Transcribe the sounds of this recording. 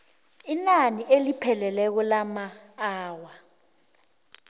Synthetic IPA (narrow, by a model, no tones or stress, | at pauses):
inaniʔelipʰɛlɛlɛk̬ulamaːwa